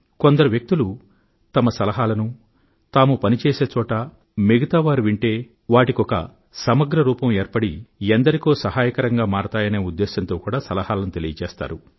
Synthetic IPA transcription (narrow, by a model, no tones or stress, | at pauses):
kond̪ɐɾuʋjɐk̚t̪ulu | t̪ɐmɐsɐlɐɦaːlɐnu | t̪aːmupɐnit͡ʃeːse̞ːt͡ʃɔːʈɐ | meɡɐt̪aːʋaːɾiʋiɳʈe̞ː | ʋaːʈikɔkɐ̰ | sɐmɐɡɾɐɾuːpɐmeːɾpɐɽiɐnd̪ɐɾikoːsɐɦaːjɐkɐɾɐŋɡaːmaːɽt̪aːjɐne̞ːud̪ːeːsɐnt̪o̞ːkuːɽaːsɐlɐhaːlɐnut̪elijɐt͡ʃɛːst̪a̰ːɾu